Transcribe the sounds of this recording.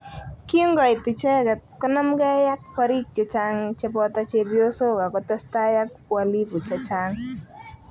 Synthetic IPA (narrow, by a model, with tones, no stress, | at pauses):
ki˦ŋɡɔ˨ɪ˨tɪ˨t͡ʃɛ˦ɡa˨kɔ˦na˦mɡa˦ja˦k̚pa˦ɾi˦k̚t͡ʃɛ˨˦t͡ʃa˦ŋt͡ʃɛ˦pɔ˦ta˦t͡ʃe˦bjo˦so˦˨ɡa˨kɔ˨tɔ˦sta˦ja˦k̚pwa˦li˦pu˨t͡ʃa˨t͡ʃa˦ŋ